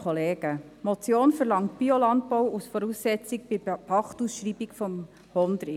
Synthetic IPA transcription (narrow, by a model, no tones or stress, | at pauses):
ɔleːɡ̥əmɔt͡sjoːnfəɾlɑŋtb̥iolɑnt̚pɔwusfɔɾusːɛt͡sik̚b̥ɪpʰɑχtusʃɾiːbikfɔm | hɔnd̪ɾɪ